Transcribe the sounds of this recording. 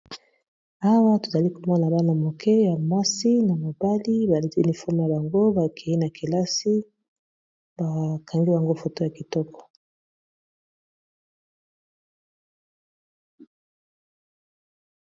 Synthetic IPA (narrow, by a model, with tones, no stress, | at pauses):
a˦wa˦to˨za˨li˦ko˨mɔ˦na˨na˨ba˦na˨mo˨kʰɛ˦ja˨ma˦si˦na˨mo˨ba˦li˦ba˨li˦ti˦u˦ni˨fɔ˦m˨ja˨ba˨ŋɡo˦ba˨kʰe˨ji˦na˨ki˨la˦si˦ | ba˨kʰa˨ŋɡi˦ba˨ŋɡo˦fo˨to˦ja˨ki˨tɔ˦kɔ̥˨